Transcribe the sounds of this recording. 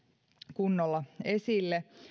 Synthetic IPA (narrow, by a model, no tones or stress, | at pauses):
kunːolːɑesilːe